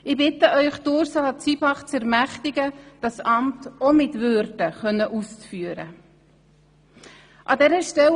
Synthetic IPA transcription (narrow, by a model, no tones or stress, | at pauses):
ɪbɪtəʔœʏχd̥ʊɾsɑt͡sibɑχt͡sɛɾmæχtɪɡəd̥ɑsɑmtɔmɪtvøɾdəχœnːəʔust͡sfyəɾə̰ | ʔɑdɛɾəʃtɛl